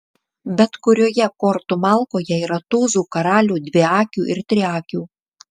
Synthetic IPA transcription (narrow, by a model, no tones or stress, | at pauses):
bʲɛt̪kʊɾʲoːjɛkɔɾt̪ʊmɑlˠkoːjɛiːɾɐt̪uːzuːkɐɾɑːlʲuːd̪ʲʋʲɪɑːkʲuːʔɪɾt̪ʲɾʲɪɑːkʲuː